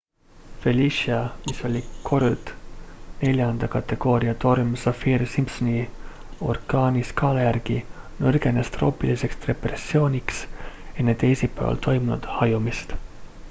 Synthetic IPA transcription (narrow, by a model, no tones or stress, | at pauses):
fe̞lʲiʃiɑmiso̞lʲikʰo̞ɾut̪ne̞lʲjɑnd̪̥ɑkɑt̪ˑːe̞ɡ̥o̞ːɾiɑt̪o̞rumsɑfiːrsimpsoni | o̞̰rkɑːnʲiskɑːlɑjæɾɡ̥i | nɤrɡ̥e̞nest̪ro̞̰ːpilise̞kst̪re̞presːio̞ːnʲiksenːed̪̥ejsipːˑæ̰vɑ̰lt̪ʰo̞jmunṵd̪̥hɑjumist̪